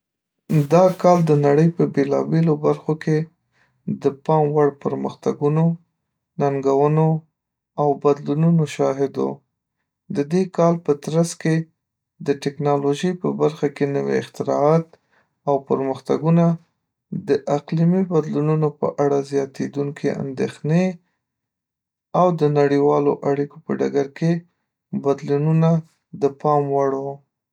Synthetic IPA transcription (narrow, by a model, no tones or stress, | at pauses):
d̪ɑkɑld̪ənaɽəjpəbelɑ̰belobaɾxoke | d̪əpɑmwaɽpəɾməxt̪aɡuno | naŋɡawəno | awbad̪lununoʃɑɦɪd̪o̰ | d̪əd̪ekɑlpət̪ɾaske | d̪əʈɪknɑloʒəjpəbaɾxakenəwḛɪ̰xt̪ɪɾɑ̰ɑt̪ | awpəɾməxt̪aɡuna | d̪əʔaqlimibad̪lununopə̰ʔaɽazjɑt̪ed̪uŋkʰeʔa̰nd̪exne | awd̪ənaɽiwɑloʔaɽikopə̰ɖaɡaɾke | bad̪lununa | d̪əpɑmwaɽo